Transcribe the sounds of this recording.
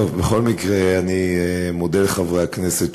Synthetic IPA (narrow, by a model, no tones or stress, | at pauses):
ovbeχo̞lmikʁeanimod̪elχavʁeakneset̪